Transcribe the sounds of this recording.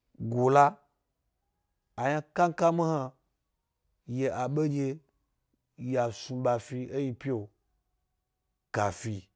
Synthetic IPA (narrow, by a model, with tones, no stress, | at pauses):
ɡo˨la˦ | a˨ɲã˦ka˦ŋ˦ka˦mi˦ha˧ | je˨ʔa˨ɓe˦d͡ʒe˧ | ja˨su˧ɓa˧˨fi˧e˦ji˧pʲi˦o˨ | ka˨fi˧